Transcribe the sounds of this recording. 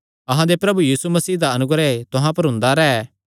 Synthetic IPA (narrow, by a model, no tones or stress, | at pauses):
ɐɦãd̪epɾɐbujiːsumɐsiːɦd̪aɐnʊɡɾɛt̪ʊɦãpɐɾɦʊ̃nd̪aɾɛː